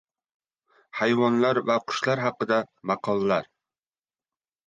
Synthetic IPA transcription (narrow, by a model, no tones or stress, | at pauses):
hajvɒnlaɾvaqʰʊ̥ʃlaɾɦɑqɨd̪amɑqʰɒlˠːaɾ